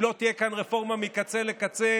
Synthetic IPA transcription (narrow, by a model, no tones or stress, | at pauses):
lo̞t̪ijekanʁefo̞ʁmamikat͡selekat͡se